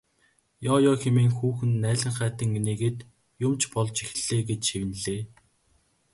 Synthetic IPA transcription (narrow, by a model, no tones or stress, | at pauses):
jɔːjɔːxemeːŋxuːxɘ̆nːæːɮə̆ŋχæːt̪ɘ̆ŋːeneːɣeːt̪ | jʊmt͡ɕpɔɮt͡ɕixɮ̥eːɡet͡ɕʃiwɘ̆nɮeː